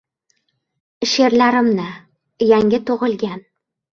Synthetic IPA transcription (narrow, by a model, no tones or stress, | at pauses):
ʃe̞ɾlaɾɪmnɪ | jaŋʲɪt̪ʰoʁɨlˠɡʲan